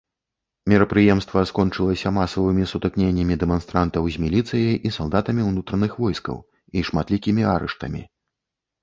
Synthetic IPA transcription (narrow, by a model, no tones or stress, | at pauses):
mʲɛɾɐpɾɨjɛmst̪vɐskɔnt͡ʂɨlˠɐsʲɐmasɐvɨmʲisut̪ɨknʲenʲːɐmʲid̪ɛmanst̪ɾant̪ɐwzʲmʲilʲit̪sɨjɐjʔisalˠd̪at̪ɐmʲiwnut̪ɾɐnɨxvɔjskɐ̰w | iʂmat̪lʲikʲimʲiaɾɛ̰ʂt̪ɐ̰mʲḭ